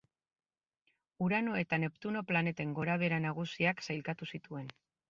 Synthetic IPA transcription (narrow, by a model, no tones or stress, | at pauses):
uɾano̞e̞t̪ane̞pt̪uno̞plane̞t̪e̞ŋɡo̞ɾaβe̞ɾanaɣ̞usiaksajlkat̪usit̪ue̞n